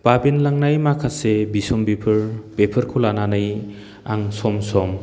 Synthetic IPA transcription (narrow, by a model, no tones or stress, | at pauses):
b̥abenlaŋnajmakʰasebisɔmbipʰɯɾbepʰɯɾkʰulananɯj | aŋsɔmsɔm